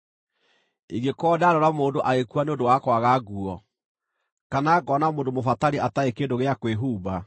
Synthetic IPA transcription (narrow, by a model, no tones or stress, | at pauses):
iɡekɔdaɾɔɾamoːndoʔaɣekuaneondowakwaɣaɡuɔ | kanaɡɔnamoːdomofataɾiʔataekendoɣeakweɦuːba